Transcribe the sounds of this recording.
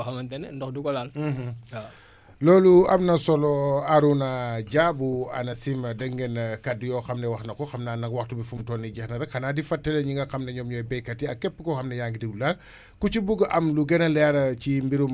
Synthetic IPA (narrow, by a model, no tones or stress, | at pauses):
xɐmɐntɛnɛndɔxdukɔlalːh | lɔːluɐmnɐsɔlɔaɾunaɟabuɐ̰nɐsimɐdɐŋɡɛnɐkɐdːijɔːxɐmnɛwɐxnɐkɔxɐmnaːnɐkwɐxtubifumtɔːnːiɟɛxnɐɾɐxɐnaːdifɐtːɛlɛɲiŋɡɐxɐmnɐɲɔmɲɔjbɛjkɐtiɐkːɛpːəkɔxɐmnɐjaŋɡidiɡulal | kucibuɡʔɐmluɡɛnɐlɛɾɐcimbiɾum